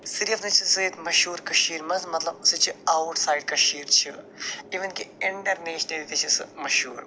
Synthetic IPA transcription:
siɾiɐfnɐt͡ʃʰisɨit̪mɐʃuːɾkɐʃiːɾmɐzmɐt̪lɐbsɨt͡ʃʰɨawʈsaːjɖ̚kɐʃiːɾt͡ʃʰi | iʋɐnkiiɳɖɐɾneːʃned̪it̪ɐt͡ʃʰisɨ̰mɐʃuːɾ

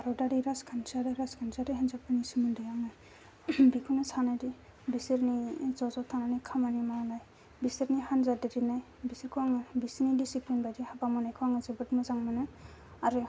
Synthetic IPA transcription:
aɾɔdaɾiɾaskʰant͡ʃaɾɯɾaskʰanzaɾɯɦɛnzapanisumɯndɯjaŋaj | bikʰunɯsanajdi | bisiɾnizɔzɔt̪ʰananikʰamanimaɾnaj | bisiɾnihanzadedinaj | bisiɾkʰɔwaŋbisinidisiplinbajdihabamɔnajkʰɯwaŋazibɯtmɯzaŋmanɯaɾɯ

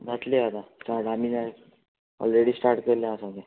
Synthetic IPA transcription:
ɡʱat̪leat̪ãsʈaɾʈamiːna | ɔ̰lɾeɽiːsʈaɾʈkəɾljãːsãɡe

